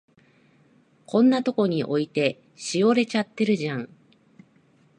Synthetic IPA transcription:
kʰõ̞nːat̪o̞ko̞ɲ̟iʔo̞it̪e̞ | ɕio̞ɾe̞t͡ɕat̪ːe̞ɾɯ̟ʑãŋ

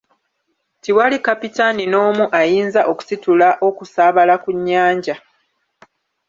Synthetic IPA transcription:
tiwalikapitanino̞ːmuʔajiːnzaʔo̞ku̥situlaʔo̞kusaːβalakuɲːaːɲɟa

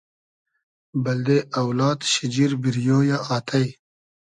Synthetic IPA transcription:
bɐld̪eɐwlaːt̪ɕid͡ʑiɾbiɾjoːjaʔaːt̪ʰɐj

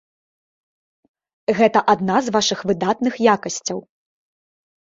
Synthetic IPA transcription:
ɣɛt̪ɐʔad̪nazvaʂɨxvɨd̪at̪nɨxjakɐsʲt͡sʲɐw

